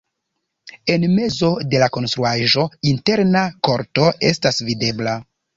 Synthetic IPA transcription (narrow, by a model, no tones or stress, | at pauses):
e̞nme̞zo̞de̞lako̞nstɾuaʒo̞inte̞ɾnako̞ɾto̞e̞stasvide̞bla